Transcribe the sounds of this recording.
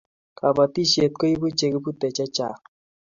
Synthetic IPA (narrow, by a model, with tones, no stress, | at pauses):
ka˨ba˨ti˦ʃe˨t̪̚ko˦i˦bu˦t͡ʃe˨ɡe˦bu˦tɛ˨t͡ʃa˦t͡ʃa̰˨